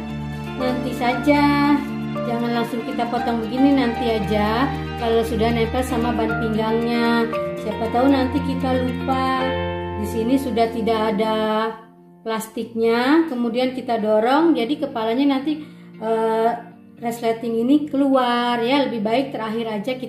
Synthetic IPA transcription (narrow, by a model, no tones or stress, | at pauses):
nant̪isad͡ʒa | d͡ʒaŋanlaŋsʊŋkit̪apot̪ɔŋbəɡininant̪iad͡ʒa | kalawsudahnapɛlsamabanp̪iŋɡaŋɲasiapat̪aɦʊnant̪ikit̪alupa | disinisudaht̪idakːda | plast̪ɪk̚ɲakəmudiankit̪adoɾɔŋd͡ʒadikəpalaɲanant̪i | əː | rɛslat̪ɪŋinikəluarjaləbɪhbaɪk̚t̪əɾaɦɪɾad͡ʒaki